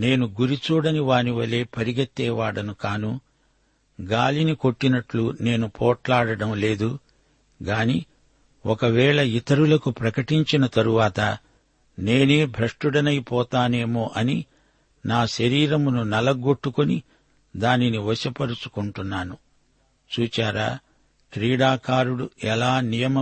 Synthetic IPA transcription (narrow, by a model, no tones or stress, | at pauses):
ne̞ːnuɡuɾit͡ʃuːɽɐniʋaːniʋɐle̞ːpɐɾiɡɐt̪ːɛːʋaːɽɐnukaːnu | ɡaːliniko̞ʈːinɐʈlune̞ːnupʰɔːʈlaːɽɐɽɐmle̞ːd̪u | ɡaːniː | ɔkɐʋɛːɭɐit̪ɐɾulɐkupɾɐkɐʈiɲt͡ʃinɐt̪ɐɾuʋaːt̪ɐ | ne̞ːneːbʱɾɐʂʈuɽɐnɐjpɔːt̪aːne̞ːmoːʔɐni | naːʃɐɾiːɾɐmununɐlɐɡo̞ʈːukoni | d̪aːniniʋɐsɐpɐɾut͡ʃu̥kuɳʈunːaːnu | t͡ʃuːt͡ʃaːɾaː | kɾiːɽaːkaːɾuɽuʔɛlaːnijɐmɐ